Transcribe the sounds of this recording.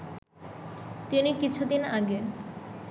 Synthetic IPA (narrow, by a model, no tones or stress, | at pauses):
t̪inikit͡ɕʰud̪inaɡe